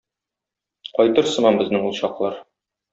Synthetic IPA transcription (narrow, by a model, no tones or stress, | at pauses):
qɒjt̪ɤɾsɤ̆mɑmbɘ̆znɘŋulˠɕɑqlˠɑɾ